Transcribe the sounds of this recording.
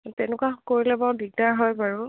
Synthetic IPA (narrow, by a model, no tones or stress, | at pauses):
tɛnʊkwakoɹilɛbaɹdiɡ̚daɹɦɔjpaɹu